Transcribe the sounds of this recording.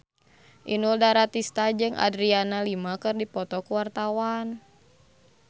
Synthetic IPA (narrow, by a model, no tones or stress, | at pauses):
ʔinuldaɾat̪ist̪ad͡ʒɨŋʔa̰dɾianalimakɨrdipɔt̪ɔkuwart̪awan